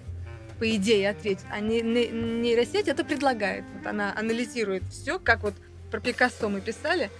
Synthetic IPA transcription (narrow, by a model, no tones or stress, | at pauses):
pəɪdʲejɪɐt̪vʲetʲɪa̰nʲɪnʲɪnʲɪɾɐsʲetʲɛt̪əpɾʲɪd̪lˠɐɡajɪ̰t̪vo̞t̪ɐ̰naʔɐnəlʲɪzʲiɾʊjɪt̪fsʲokakvo̞t̪ | pɾəpʲɪkasomɨpʲɪsalʲɪ